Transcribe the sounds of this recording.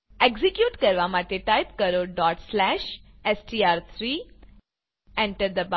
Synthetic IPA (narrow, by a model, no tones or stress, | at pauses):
eɡzikjuːʈkəɾʋamaʈ̪eʈajp̚kəɾoɖɔʈslæʃ | esʈiːaɾt̪ʰɾiː | ẽɳʈəɾd̪əb